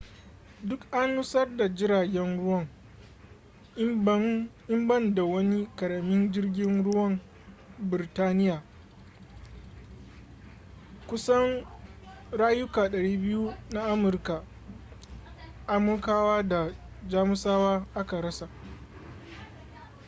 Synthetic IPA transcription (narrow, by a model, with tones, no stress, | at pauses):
dʊ˦kʔa˦nːʊ˦sɐ˦rda˨d͡ʒɪ˦ɾaː˨ɡʲɛ˦nɽʊ˦wɐ˦˨ŋ | ɪ˦mbɐ˦nda˨wɐ˦ni˦kɐ˨ɽɐ˨mɪ˦nd͡ʒɪ˦rɡʲɪ˦nɽʊ˦wɐ˦m | bɪ˨ɾtaː˦nɪ˦jaː˨ | kʷʊ˦sɐ˦ŋ | ɽaː˦jʊ˦kaː˨ɗɐ˨ɽiː˦bɪ˦ju˦na˦ʔa˦mʊ˨rka˨ | ʔa˦mʊ˦rkaː˦waː˦da˨ | d͡ʒaː˦mʊ˦saː˦waː˦ʔa˦ka˨ɾɐ˦sa˨ʔ